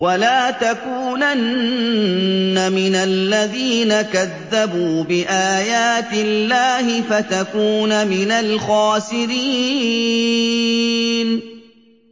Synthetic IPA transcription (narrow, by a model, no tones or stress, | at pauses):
walaːt̪akuːnan | amɪnalːaðiːnakaðːabuːbɪʔaːjaːt̪ɪlːaːhɪfat̪akuːnamɪnalxaːsɪɾiː | n